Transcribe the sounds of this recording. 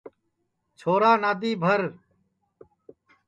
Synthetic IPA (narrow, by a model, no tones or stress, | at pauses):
t͡ʃʰoːɾaːnaːd̪iːbʱəɾ